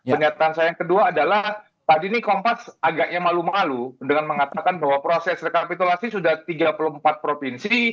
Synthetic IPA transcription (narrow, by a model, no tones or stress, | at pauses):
pərɲat̪aːnsajajaŋkəduaːdalah | t̪adinikompasaɡaʔ̚ɲamalumaludəŋanməŋat̪akanbaɦwapɾosɛsdəkapit̪ulasisudaht̪iɡapəlumpat̪̚pɾofinsi